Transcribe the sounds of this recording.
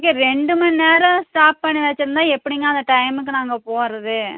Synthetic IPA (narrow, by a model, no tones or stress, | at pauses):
kːeɾɛɳɖɯmɐnːeːɾɐ̃sʈaːp̚pɐɳːiʋɐt͡ʃːɪɾɯnd̪aːɛpːɐɽɪŋɡɐːɐnd̪ɐʈɐɪmɯk̬ːɯnaːŋɡɐpoːɾɐðɯ